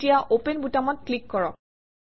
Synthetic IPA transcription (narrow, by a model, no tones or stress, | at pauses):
tijaʔopenbutamɔt̚klikːɔɹɔk̚